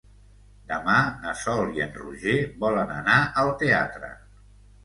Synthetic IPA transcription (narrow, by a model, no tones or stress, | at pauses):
d̪əmanəsɔliə̰nrṵʒeβɔlənənaʔəlˠt̪ea̰t̪ɾə̰